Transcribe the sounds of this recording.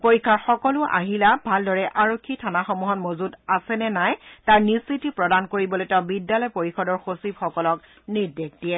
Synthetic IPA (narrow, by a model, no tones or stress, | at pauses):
poɹikʰːaɹxɔkɔlʊʔa̰ɦilabʱaldɔɹɛʔaɹokʰːitʰanaxɔmuɦɔnmozudasɛnɛnajtaɹnisitipɹɔdankoɹibɔlojtɛʊbidːalɔjpoɹixɔdɔɹxosibxɔkɔlɔk | niɹdek̚dijɛ